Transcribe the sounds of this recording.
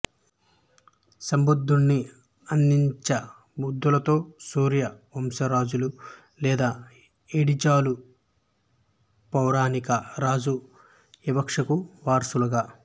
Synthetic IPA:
sɐmbud̪ʱːuɳːi | ɐnd̪iɲt͡ʃɐ | bud̪ːulɐt̪o̞ːsuːɾjɐomsɐɾaːd͡ʒulu | lɛːd̪aː | eɽid͡ʒaːlu | pɐwɾaːnikɐɾaːd͡ʒu | ʋibɐkʂɐkuʋaːɾsulɐɡaː

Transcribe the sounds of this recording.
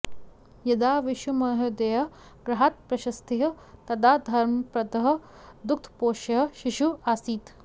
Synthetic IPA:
jɐd̪aːʋiʃumɐɦɐd̪ɐjɐ | ɡɾɐɦaːt̪̚pɾɐʃɐst̪iɦɐ̆ | t̪ɐd̪aːd̪ʱɐɾmɐpɾɐd̪ɐɦɐ̆ | d̪uk̚t̪ʰpoːʃɐɦɐ̆ʃiʃuaːsiːt̪

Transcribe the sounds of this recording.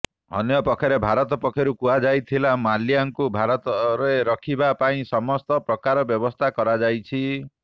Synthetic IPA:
ɔ̰njɔpɔkʰːjɔɾebʱaɾɔt̪ɔpɔkʰːjɔɾukuad͡ʒajt̪ʰilamaljaŋkubʱaɾɔt̪ɔɾeɾɔkʰibapaĩsɔmɔst̪ɔpɾɔkaɾɔbjɔbɔst̪ʰakɔɾad͡ʒajt͡ʃʰi

